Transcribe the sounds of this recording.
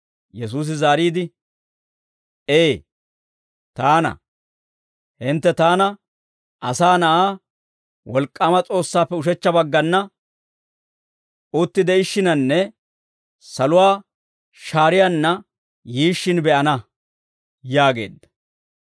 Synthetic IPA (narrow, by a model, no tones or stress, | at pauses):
jɛs̬uːs̬ɪzaːɾiːd̪ɪ | eː | t̪aːnɐ̰ | hɪnt̪ːɛt̪aːnɐ | ʔɐsaːnɐʔaː | wɔlkʼːaːmɐt͡sʼo̞ːsːaːpːɛʊʃ̬ɛt͡ʃːɐbɐɡːɐnːɐ | ʔʊt̪ːɪd̪ɛɪʃːɪnɐnːɛ | sɐlʊwaː | ʃaːɾɪjanːɐ | jiːʃːɪnbɛʔɐnɐ | jaːɡe̞̰ːd̪ːɐ̥